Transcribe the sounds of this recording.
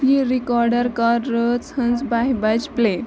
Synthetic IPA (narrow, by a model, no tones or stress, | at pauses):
iɾikɔɾɖəɾkaɾːət͡shənd͡zbaɦibad͡ʒple